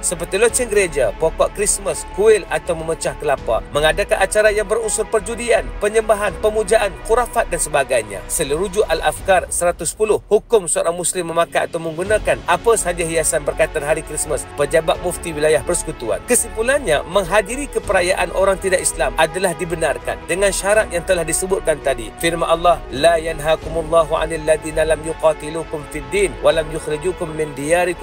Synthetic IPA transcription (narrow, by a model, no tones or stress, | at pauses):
səpərt̪ilot͡ʃənɡəɾed͡ʒapokɔʔkɾisməskuɪlat̪awməmət͡ʃahkəlapa̰məŋadakanʔat͡ʃaɾajaŋbərusʊrpərd͡ʒudianpəɲəmbaɦanpəmud͡ʒaʔankuɾafat̪̚dansəbaɡajɲa̰sələɾud͡ʒʊʔala̰fkarsəɾat̪ʊsə̥pulʊhhukʊmsəoɾaŋmuslɪmːəmakaʔːt̪awmə̃ŋɡunãkanʔapasəɦad͡ʒaɦiasanbərkat̪anɦaɾikɾisməspəd͡ʒabat̪̚muft̪iwilajahbərsə̥kut̪ua̰nkəsipulanɲa̰məŋɦadiɾikəpəɾajaʔanʔoɾaŋt̪idaʔislamʔadalahdibənarka̰ndəŋanʃaɾat̪̚jaŋt̪əlahdisəbʊt̪̚kant̪adifɪrmanʔalːɑhlajanɦakʊmʊlˤːɑːɦuʕa̰nalːaðiːnalamjʊqɑt̪ilukʊmfidːiːnwalamjʊxɾad͡ʒukʊmːɪndijaɾik